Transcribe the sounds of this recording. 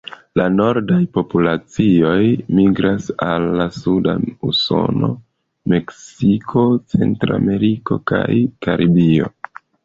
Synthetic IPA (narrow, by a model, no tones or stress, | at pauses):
lano̞ɾdajpo̞pulat͡sio̞jmiɡɾasalːasuda̰uso̞̰no̞̰ | me̞ksikʰo̞t͡se̞ntɾa̰me̞ɾiko̞kajkaɾʔibio̞̰